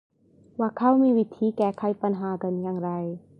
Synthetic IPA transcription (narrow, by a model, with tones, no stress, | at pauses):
waː˧˩kʰa˧˥˨wmiː˧wi˦˥t̪ʰiː˧˦kɛː˧˩kʰa˧˥˦jpa˧nɦaː˨˦ka˧˥njaː˧ŋɾa˧j